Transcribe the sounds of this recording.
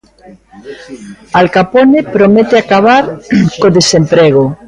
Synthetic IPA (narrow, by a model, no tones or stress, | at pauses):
alkaponepɾomet̪eakaβaɾkoðesempɾeɣ̞o